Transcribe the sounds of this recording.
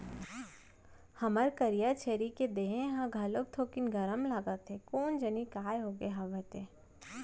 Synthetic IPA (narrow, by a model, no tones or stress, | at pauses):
hɐməɾkəɾijat͡ʃʰeːɾiked̪eːɦẽɦãɡʱɐlob̚t̪ʰoːkɪnɡʱəɾəmlaɡət̪ʰekoːnd͡ʒənikaːjɦoːɡeɦaʋət̪e